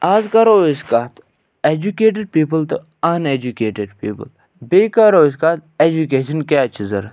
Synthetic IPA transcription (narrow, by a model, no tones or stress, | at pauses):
aːzkɐɾoːiskaːt̪ | ed͡ʒukeːʈ̬eɖ̚piːpəlt̪o | ɐned͡ʒukeːʈeɖpḭːpə̰l | beːkaɾoːiskaːt̪̚ed͡ʒukeːʃənkaːt͡ʃʰizɐɾ